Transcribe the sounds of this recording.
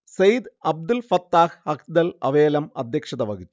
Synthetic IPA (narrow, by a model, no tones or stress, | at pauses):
sɐjd̪ɐb̚d̪ulfɐt̪ːaːhhɐkd̪ɐlɐ̰ʋeːlɐmɐd̪ʱjɐkʂɐd̪ɐʋɐɡit̪ː